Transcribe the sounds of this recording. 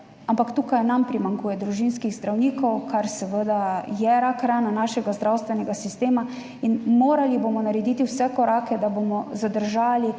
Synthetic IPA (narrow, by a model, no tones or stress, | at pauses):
ampakt̪uːkajnampɾimaŋkuːjɛd̪ɾuʒinskiɣzd̪ɾawniːkɔwkʰaɾsɛʋəd̪ajɛɾakɾaːnanaːʃɛɡazd̪ɾawst̪ʋɛnɛɡasist̪eːma | inmoːɾalibomɔnaɾɛd̪iːt̪iwsɛkɔɾaːkɛd̪abomɔzad̪əɾʒaːli